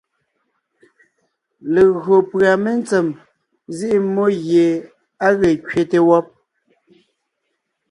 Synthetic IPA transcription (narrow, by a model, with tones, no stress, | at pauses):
le˨ɣɰo˨pɰa˨me˦n˦t͡se˨m | zi˦ʔi˦mo˦ɣje˨ | a˦ɣe˨kɥe˨te˨wɔ˦p̚